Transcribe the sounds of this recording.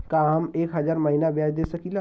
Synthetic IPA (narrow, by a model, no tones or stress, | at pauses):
kaːɦɐmeːkɦɐzaːɾmɐɦiːnabjaːd͡ʒd̪eːsɐkila